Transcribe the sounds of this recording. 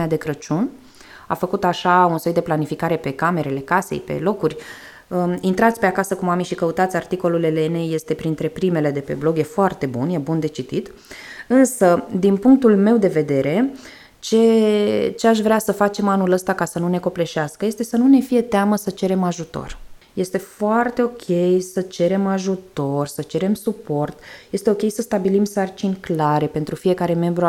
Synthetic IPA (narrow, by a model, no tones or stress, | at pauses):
ad̪e̞kɾət͡ʃun | a̰fəkut̪aʃaunsojd̪e̞planifikaɾe̞pe̞kame̞ɾe̞le̞kasḛjpe̞̰lo̞kurʲ | əint̪ɾat̪sʲpe̞akasəkumamiʃikəut̪at̪sʲart̪iko̞lule̞leneje̞st̪e̞pɾint̪ɾe̞pɾime̞le̞d̪e̞pe̞̰blo̞ɡje̞foart̪e̞bunje̞bund̪e̞t͡ʃit̪it̪ | ɨnsəd̪inpuŋk̚t̪ulme̞wd̪e̞ve̞d̪e̞ɾe̞ | t͡ʃe | t͡ʃe̞aʃ̬vɾeasəfat͡ʃe̞manuləst̪akasənune̞ko̞ple̞ʃaskəje̞st̪e̞sənune̞fije̞t̪eaməsət͡ʃe̞ɾe̞maʒut̪o̞̰r | je̞st̪e̞foart̪e̞o̞kʲʰe̞jsət͡ʃe̞ɾe̞maʒut̪o̞rʲsət͡ʃe̞ɾe̞msupo̞rt̪je̞st̪e̞o̞kʲe̞jsəst̪abilimsart͡ʃinʲklaɾe̞pe̞nt̪ɾufije̞kaɾe̞me̞mbɾu